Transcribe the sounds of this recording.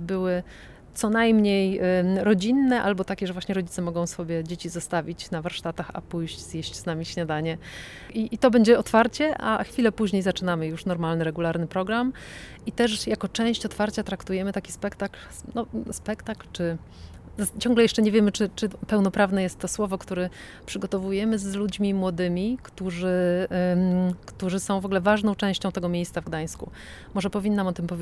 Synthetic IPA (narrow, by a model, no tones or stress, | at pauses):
bɘwɘ | t̪sɔnajmɲejɾɔd͡ʑinːɛʔalbɔt̪akʲɛʐɛvwaɕɲɛɾɔd͡ʑit̪sɛmɔɡɔ̃w̃sɔbʲjɛd͡ʑet͡ɕizɔst̪avʲit͡ɕnavaɾʂt̪at̪axa̰pujɕd͡ʑz̥jeɕt͡ɕznamʲiɕɲad̪aɲɛ | ʔiit̪ɔbɛɲd͡ʑɛɔt̪faɾt͡ɕɛʔa̰xfʲilɛpuʑɲejzat͡ʂɘnamɘjuʂnɔɾmalnɘɾɛɡulaɾnɘpɾɔɡɾam | it̪ɛʂjakɔt͡ʂɛ̃w̃ɕt͡ɕɔt̪faɾt͡ɕat̪ɾakt̪ujɛmɘt̪akʲi̥spɛkt̪akl | nɔspɛkt̪aklt͡ʂɘ | zat͡ɕɔ̃ŋɡlɛjɛʂt͡ʂɛɲɛvʲjɛmɘt͡ʂɘt͡ʂɘpɛwn̪ɔpɾavn̪ɛjɛst̪ːɔswɔvɔkt̪uɾɛ | pʂɘɡɔt̪ɔvujɛmɘzlud͡ʑmʲimwɔd̪ɘmʲikt̪uʐɘ | kt̪uʐɘsɔ̃w̃vɔɡlɛvaʐnɔ̃w̃t͡ʂɛ̃w̃ɕt͡ɕɔ̃w̃t̪ɛɡɔmʲjejssavɡd̪aj̃skṵ | mɔʐɛpɔvʲinːamɔt̪ɘmpɔvʲj